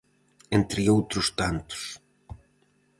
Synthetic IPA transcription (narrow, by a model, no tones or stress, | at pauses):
ent̪ɾiowt̪ɾust̪ant̪u̥s